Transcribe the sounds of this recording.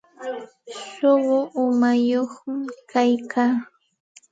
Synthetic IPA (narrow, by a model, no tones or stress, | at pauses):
ʃoɢʊʔʊmajoχmɪkajkʰaː